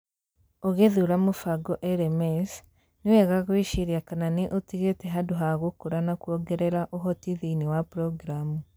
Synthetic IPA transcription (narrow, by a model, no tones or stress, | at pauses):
oɣeðuɾamufaɡoʔeɾemes | niweɣaɣwiʃiɾjakananiʔotiɣeteɦaduɦaɣukuɾanakwoɡeɾeɾaʔoɦotiðiniwapɾoɡiɾamu